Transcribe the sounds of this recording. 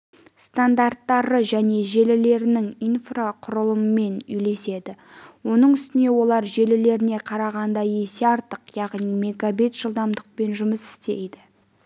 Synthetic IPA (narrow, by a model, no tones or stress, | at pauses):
st̪and̪art̪ːɑɾəʒæne̞ʒe̞lɪle̞ɾɪnɪŋijnfraqʰʊɾəlˠəməme̞nʏjle̞se̞d̪ɪwo̞nəɴʏst̪ɪne̞wo̞lˠɑɾʒe̞lɪle̞ɾɪne̞qʰɑɾɑʁɑnd̪ɑje̞seɑɾt̪əqjɑʁnime̞ɡabet̪ʒ̥əlˠd̪ɑmd̪əq̚pe̞nʒʊməsɪ̥st̪e̞̰jd̪ɪ